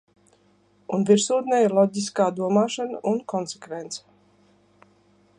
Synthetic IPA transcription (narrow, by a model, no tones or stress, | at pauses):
unviɾsuːd̪nɛːiɾlˠɔɟiskaːd̪uɔmaːʃanəʔunkɔnsekvɛnt̪sə̥